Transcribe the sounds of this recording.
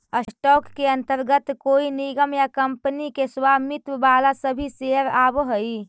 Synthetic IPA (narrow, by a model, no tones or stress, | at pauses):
əssʈɔːkːeɐ̃nt̪əɾɡət̪koːinɪɡəmjakəmpnikeswaːmɪt̪wəbaːlasəbʱiseəɾaːbɦoi